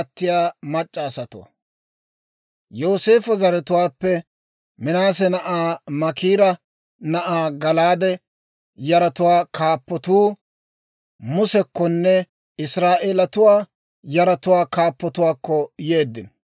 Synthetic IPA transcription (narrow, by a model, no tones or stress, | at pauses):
ɐt̪ːɪjaːmɐt͡ʃʼːaːsɐt̪ʊwɐ̰ | joːse̞ːfɔzɐɾɛt̪ʊwaːpːɛ | mɪnaːs̬ɛnɐʔaːmɐkiːɾɐ | nɐʔaːɡɐlaːd̪ɛ | jɐɾɐt̪ʊwaːkʰaːpːɔt̪uː | mʊsɛkːɔnːɛ | ɪsɾaːʔeːlɐt̪ʊwaː | jɐɾɐt̪ʊwaːkaːpːɔt̪ʊwaːkːɔjeːd̪ːɪn